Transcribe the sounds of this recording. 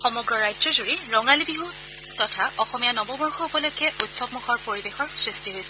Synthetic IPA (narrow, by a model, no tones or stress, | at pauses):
xɔmɔɡɹɔɹajdɹɔzuɹiɹɔŋalibiɦo | tɔtʰaɔxɔmijanɔbɔmuɹxɔupɔlojkɛʔutsɔb̚muxʰɔɹpoɹibexɔɹsɹistiɦojsɛ